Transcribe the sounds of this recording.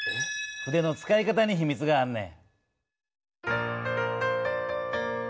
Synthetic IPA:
ɸɯ̟d̪e̞no̞t͡sɨ̥kaikat̪aɲ̟içimʲit͡sɨɡaːɾɯ̟nḛ

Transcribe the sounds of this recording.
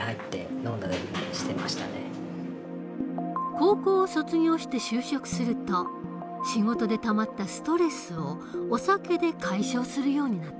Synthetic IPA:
hait̪ːe̞̰noːd̪aiɕi̥t̪e̞maɕi̥t̪a̰nḛ | ko̞ːko̞ːso̞t͡sɨɲʲo̞ːɕi̥t̪e̞ɕɨːɕo̞kɯ̟̥sɨɾɯ̟t̪o̞ | ɕiŋo̞t̪o̞d̪e̞t̪amat̪ːasɨ̥t̪o̞ɾe̞sɨo̞ː | sake̞d̪e̞kʰaiɕo̞ːsɨɾɯ̟jo̞ːɲ̟inat̪ː

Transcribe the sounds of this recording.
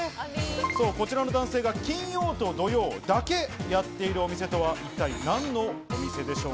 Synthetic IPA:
so̞ːko̞t͡ɕiɾano̞d̪ãɰ̃seːɡakʲĩɰ̃jo̞ːt̪o̞d̪o̞jo̞ːd̪ake̞jat̪ːe̞iɾɯo̞mʲise̞t̪o̞βaʔit̪ːainãnːo̞omʲise̞d̪e̞ɕo̞ː

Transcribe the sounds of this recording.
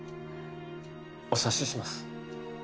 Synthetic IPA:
osaɕiɕimasɨ̥

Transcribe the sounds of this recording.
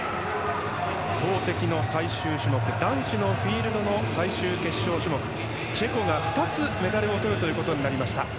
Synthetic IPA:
t̪o̞ːt̪e̞kʲino̞saiɕɨːɕɨmo̞kɯ̟d̪ãɰ̃ɕino̞ɸʲiːɾɯ̟d̪o̞no̞saiɕɨːke̞ɕːo̞ːɕɨmo̞kɯ̟̥ | t͡ɕe̞ko̞ɡaɸɯ̥t̪at͡sɨme̞d̪aɾɯo̞t̪o̞ɾɯ̟t̪o̞jiɯːko̞t̪o̞ɲ̟inaɾʲimaɕi̥t̪a̰

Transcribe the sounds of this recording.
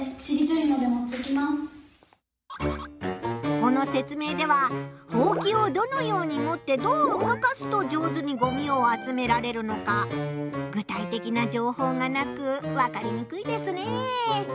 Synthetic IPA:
t͡ɕiɾʲit̪oɾɯnod̪e̞mot̪ːekʲimasɨ̥ | ko̞no̞se̞t͡sɨme̞ːd̪e̞β̞aho̞ːkʲio̞d̪o̞no̞jo̞ːɲ̟imo̞t̪ːe̞d̪o̞ːomokasɨ̥t̪o̞d͡ʑo̞ːzɨɲ̟iɡo̞mʲio̞at͡sɨme̞ɾaɾe̞ɾɯ̟no̞ka | ɡɯ̟t̪ait̪e̞kʲinad͡ʑo̞ːho̞ːŋanakɯ̟βakaɾʲiɲ̟ikɯ̟id̪e̞sɨne̞

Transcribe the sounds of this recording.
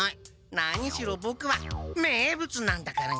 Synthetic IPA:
i | naɲ̟iɕiɾobokɯ̟βameːbɯ̟t͡sɨnãnd̪akaɾa

